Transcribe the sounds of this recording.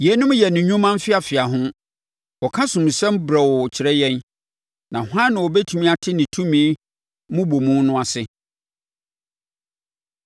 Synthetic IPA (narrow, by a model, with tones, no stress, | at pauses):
jɛ˨˦nʊ̃˦m˦jɛ˨nʊ̃˨ɲᶣũ˦mã˦m˦fɪ˦a˨fɪ˨a˨ɦʊ̃˦ | ɔ˨kʰã˦sʊ̃˨m˨sɛ̃˦m˦bɾɛ˨wɔ˨t͡ɕʰɪ˨ɾɛ˦jɛ̃˦n | nã˨hã˦nːã˨wɔ˨bɛ˦tʰu˨mĩ˦a˨tʰɪ˦nɪ̃˨tʰũ˦mĩ˨˦ | mʊ̃˦bo˨mũ˦nʊ̃˦a˨sɪ˦